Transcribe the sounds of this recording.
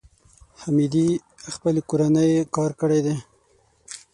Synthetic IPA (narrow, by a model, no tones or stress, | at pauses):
hamid̪i | xpəlekoɾanəjkɑɾkəɽed̪e